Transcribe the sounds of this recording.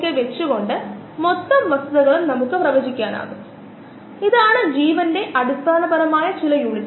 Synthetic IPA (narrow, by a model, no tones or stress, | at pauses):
kːeʋɛt͡ʃːɯkoɳɖɐ | mɔt̪ːɐmʋɐsɐðɐɣɐɭɯmnɐmɯkːɯpɾɐʋɐːd͡ʒɪkʲːaːna̰ːɣɯm | ɪðaːɳɐd͡ʒiːʋɐndeːʔɐɽɪst̪aːnɐpɐɾɐmaːjɐt͡ʃɪlɐjuɳɪtː